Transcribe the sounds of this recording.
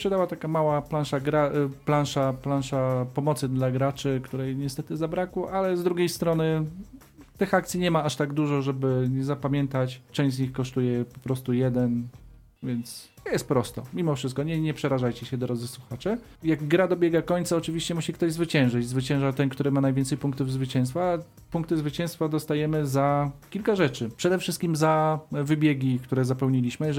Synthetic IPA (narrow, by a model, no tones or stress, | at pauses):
pʂɛd̪awat̪akamawaplanʂaɡɾaplanʂaplanʂapɔmɔt̪sɘd̪laɡɾat͡ʂɘkt̪uɾɛjɲɛst̪ɛt̪ɘzabɾakwɔʔalɛzd̪ɾuɡʲjejst̪ɾɔnɘ | t̪ɘxakt̪sʲiɲɛmaaʂt̪aɡd̪uʐɔʐɛbɘɲɛzapamʲjɛnt̪at͡ɕt͡ʂɛ̃w̃ʑzʲɲixkɔʂt̪ujɛpɔpɾɔst̪ujɛd̪ɛn | vʲjɛnt̪sjɛst̪̚pɾɔst̪ɔ̰mʲimɔfʂɘst̪̚kɔɲɛɲɛpʂɛɾaʐajt͡ɕɛɕɛd̪ɔɾɔd̪zɘswuxat͡ʂɛ | jaɡɡɾad̪ɔbʲjɛɡakɔɲt̪saɔt͡ʂɘvʲiɕt͡ɕɛmuɕɛkt̪ɔʑzvɘt͡ɕɛ̃w̃ʐɘt͡ɕzvɘt͡ɕɛ̃w̃ʐat̪ɛnkt̪uɾɘmanajvʲɛnsɛjpuŋk̚t̪uvzvɘt͡ɕɛ̃w̃st̪fa | puŋkt̪ɘzvɘt͡ɕɛ̃w̃st̪fad̪ɔst̪ajɛmɘzakʲilkaʐɛt͡ʂɘpʂɛd̪ɛfʂɘst̪kʲimzavɘbʲjɛɡʲikt̪uɾɛzapɛwɲilʲiɕmɘ